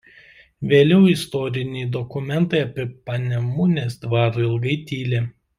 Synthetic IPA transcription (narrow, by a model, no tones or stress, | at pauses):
ʋʲeːlʲɛʊɪst̪ɔɾʲɪnʲɛɪd̪ɔkʊmʲɛnt̪ɐɪɐpʲɪpɐnʲɛmʊnʲeːsd̪ʋɑːɾɪlˠɡɐɪt̪ʲiːlʲeː